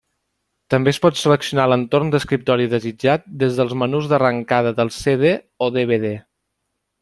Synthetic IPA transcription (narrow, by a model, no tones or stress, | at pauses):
t̪əmbeəspɔt̪sələksiunalənt̪ornd̪əskɾip̚t̪ɔɾiðəzid͡ʒat̪̚d̪ezðəlˠzmənuzðərəŋkað̞əðəlˠseðe | ɔoðeβeðe